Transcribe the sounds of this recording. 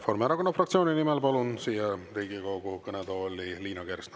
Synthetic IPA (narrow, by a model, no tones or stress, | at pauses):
forɾmɑɾɑkonːɑfrɑkt̪sioːninimɛlpɑlunsiːɛrejɡikɑwɡukɤnɛd̪ɑolʲiliːnɑɡeɾsn